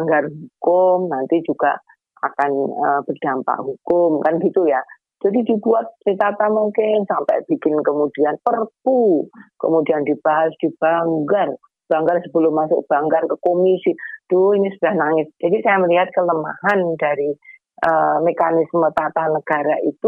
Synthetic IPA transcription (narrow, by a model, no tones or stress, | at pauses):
baŋɡarɦukʊmnant̪id͡ʒuɡ̥a̰ʔ | a̰kanəb̥ərd̥ampa̰ʔɦukʊmkanɡit̪uja | d͡ʒadidibuat̪̚dit̪at̪amuŋkɪnsampa̰jb̥ikɪnkəmud̥ianpərpukə̰mudiandib̥aɦasd̥ib̥aŋɡar | b̥aŋɡarsəbəlʊmːasʊ̰k̚b̥aŋɡarkəkomisid̥oinisudahnaŋɪsd͡ʒadisajaməliɦat̪̚kələmaɦandaɾi | ʔəmekanɪsmət̪at̪anəɡ̥aɾaʔḭt̪u